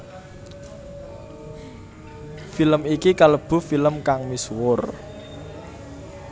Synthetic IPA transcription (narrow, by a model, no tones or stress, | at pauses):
filəmikikaləb̥ṳfiləmkaŋmiswʊr